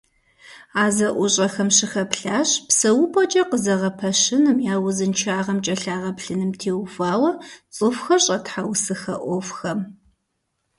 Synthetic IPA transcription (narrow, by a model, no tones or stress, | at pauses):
aːzɐʔʷʊɕʼɐxɐmɕɪxɐpɬaːɕpsɐwʊpʼɔt͡ʃʼɐqəzɐʁɐpʰɐʃɪnɨmjaːwʊzɨnt͡ʃʰaːʁɐmt͡ʃʼɐɬaːʁɐpɬɨnɨmtʰeːwfaːwɐt͡sʼɨfxɐɕʼɐtħawsɨxɐ̰ʔʷɔfxɐm